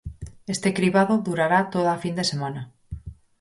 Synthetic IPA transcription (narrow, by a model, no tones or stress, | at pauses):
est̪e̞kɾiβaðoðuɾaɾat̪oðafind̪e̞semana